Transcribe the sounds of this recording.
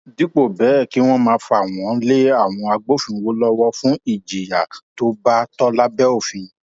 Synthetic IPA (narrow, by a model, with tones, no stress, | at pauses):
di˨˦k͡po˦˨bɛ˨˦˨ki˨˦w̃ɔ̃˦mãː˧˦fa˨w̃ɔ̃˨˦le˦a˦˨w̃ɔ̃˧a˧ɡ͡bo˦˨fĩ˧wo˦lɔ˦wɔ˦fũ˦i˦˨d͡ʒi˨ja˨to˦ba˦tɔ˦la˦bɛ˦o˦˨fĩ˧˨